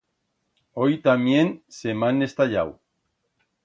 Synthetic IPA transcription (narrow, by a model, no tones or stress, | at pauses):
ojt̪amjensemane̞st̪aʎa̰w